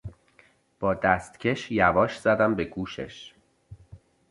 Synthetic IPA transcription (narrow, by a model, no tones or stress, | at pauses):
b̥ɒːd̪æst̪cʰe̞ʃjævɒːʃz̥æd̪æmbeɡuːʃḛʃ